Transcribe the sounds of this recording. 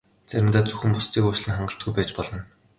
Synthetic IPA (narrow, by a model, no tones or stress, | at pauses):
t͡sæɾʲɪ̆mt̪aːt͡sɵxɘ̆mpʊst̪ʰiːkuːt͡ɕɮɘ̆nχaɴɢə̆ɬt̪̚ɡujpæːt͡ɕpɔɮɞ̆n